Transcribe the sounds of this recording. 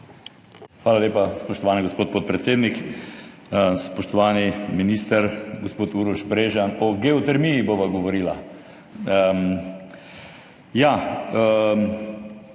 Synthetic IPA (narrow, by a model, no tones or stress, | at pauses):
xʋaːlaleːpaspɔʃt̪ɔʋaːniɡospoːt̪poːt̪̚pɾɛt̪seːd̪nik | spɔʃt̪ɔʋaːniminiːst̪əɾɡospoːt̪uɾuʃbɾeːʒanɔɡeot̪ɛɾmijiboːʋaɡɔʋɔɾiːla̰ | ja